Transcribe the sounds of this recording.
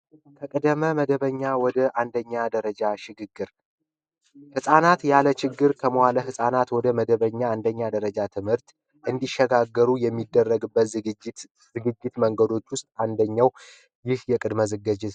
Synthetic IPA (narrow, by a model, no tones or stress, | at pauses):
kʰəkʼəd̪əməməd̪əβəɲːawɔd̪əʔand̪əɲːad̪əɾəd͡ʒaʃɪɡɨɡːɨɾ | hɨsʼanat̪jalət͡ʃɪɡːɨɾkʰəməhaləɦɨsʼanat̪wɔd̪əməd̪əβəɲːaand̪əɲːad̪əɾəd͡ʒat̪ʰɨmhɨɾt̪ | ʔɨnd̪iʃːɛɡaɡːəɾujɛmːid̪ːərːəɡɨbːət̪ | zɨɡɨd͡ʒːɪt̪məŋɡəd̪o̞t͡ʃːwʊst̪ʼand̪əɲːaw | jɪhjɛkʼɨd̪məzɨɡəd͡ʒɪ